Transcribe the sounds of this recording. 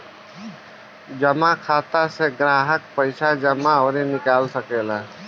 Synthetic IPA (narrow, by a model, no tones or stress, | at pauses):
d͡ʒəmakʰat̪aseɡɾaːɦəkpəɪsʰad͡ʒəmaɔɾenikalsəkɛla